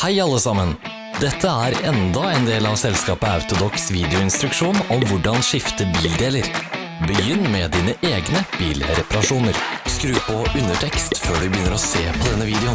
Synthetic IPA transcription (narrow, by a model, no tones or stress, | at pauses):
hæɪɑlːəsɑmən | d̪ɛt̪ʰːəæɾɛnd̪ɑɛnd̪eːlɑʋsɛlskɑːpəɑʉt̪ʊd̪ɔksʋiːd̪ɪʊɪnst̪ɾʉkʂuːnɔmʋʊɖɑnʂɪft̪əbiːld̪eːləɾ | bəjʏnːmɛd̪iːnəʔeːɡnəb̥iːlɾɛpɑɾɑʂuːnəɾskɾʉːpɔʉnːəʈʰɛkst̪føːɖʉbəjʏnːəɾɔseːpʰɔd̪ɛnːəʋiːd̪ɛʊ